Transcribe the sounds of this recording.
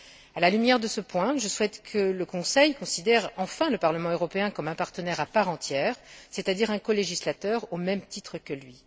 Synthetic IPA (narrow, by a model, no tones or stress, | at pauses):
alalymjɛʁd̪əsəpwɛ̃ʒəswɛt̪kʰələkɔ̃sɛjkɔ̃sid̪ɛʁɑ̃fɛ̃ləpaʁləmɑ̃øʁɔpeɛ̃kɔmɛ̃paʁt̪ənɛʁapaʁɑ̃t̪jɛːʁset̪ad̪iʁɛ̃kɔleʒislat̪œʁomɛmt̪it̪χəkəlɥi